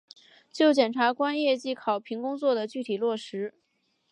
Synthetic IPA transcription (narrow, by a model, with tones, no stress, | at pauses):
t͡ɕjo˥˩ʊt͡ɕjɛ˨˩nʈ͡ʂʰa˧˥kwa˥njɛ˥˩t͡ɕi˥kʰɑ˨˩ʊpʰi˧˥ŋkʊ˥ŋt͡swɔ˥˩d̪ə˩t͡ɕy˥˩t̪ʰi˨˩lwɔ˥˩ʂɻ̩˧˥